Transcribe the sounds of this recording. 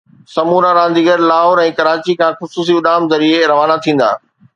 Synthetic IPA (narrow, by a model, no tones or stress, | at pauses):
sɐmuːɾaɾãːnd̪iːɡəɾlaːɦoːɾɛ̃ːkɐɾaːt͡ɕikʰãːxʊsuːs̬iʊɗaːmzɐɾieɾɐʋaːnat̪ʰĩːn̆d̪a̰ː